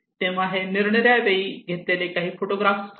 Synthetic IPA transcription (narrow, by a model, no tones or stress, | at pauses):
t̪eʋ̤aɦeniɾɳəɾjajʋeiːɡʱet̪elekaɦiːfoʈoɡɾafs